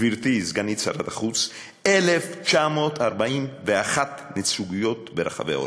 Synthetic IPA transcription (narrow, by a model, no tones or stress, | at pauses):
viɾt̪izɡanit͡sa̰ɾat̪aχut͡s | e̞left͡ʃamo̞t̪aɾbaimveaχat̪net͡suɡijo̞t̪̚beɾaχa̰vḛao̰